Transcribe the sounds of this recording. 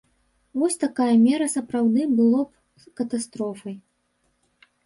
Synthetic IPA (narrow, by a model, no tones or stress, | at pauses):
vɔsʲt̪akajɐmʲɛɾɐsɐpɾawd̪ɨbɨlˠɔp̚ | kɐt̪ast̪ɾɔfɐj